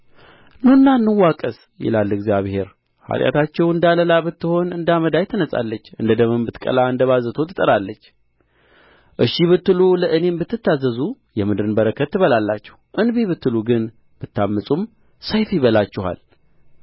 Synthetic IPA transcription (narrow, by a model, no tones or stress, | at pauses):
nonːanːɨwːakʼəs | jɛ̰lalːɨɡzjaβhe̞ɾ | ha̰t̪ʼja̰t̪ʰat͡ʃːɛwɨnd̪aləlabɨt̪ːɨho̞nɨnd̪aməd̪ajt̪ʰənəsʼa̰lːət͡ʃːɨ̰nd̪əd̪əmɨmbɨt̪kʼə̰laɨnd̪əβazət̪ʰot̪ʰɨt̪ʼəɾalːət͡ʃː | ʔɨʃiβɨt̪ːɨluləʔɨne̞mbɨt̪ːɨt̪ːazːəzu | jɛmɨd̪ɨɾɨnbəɾəkʰət̪ːɨβəlalːat͡ʃːɛ̥huʔɨnbiβɨt̪ːɨluɡɨn | b̥ɨt̪ːamːɨsʼum | səjfiβəlat͡ʃːɛha̰l